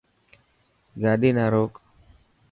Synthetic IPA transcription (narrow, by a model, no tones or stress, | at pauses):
ɡaːɗiːnaːɾoːk